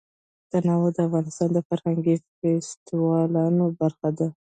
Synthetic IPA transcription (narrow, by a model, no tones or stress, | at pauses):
t̪anɑwəd̪əafɣɑnɪst̪ɑnd̪əfaɾhaŋɡifest̪wɑlɑnobaɾxad̪a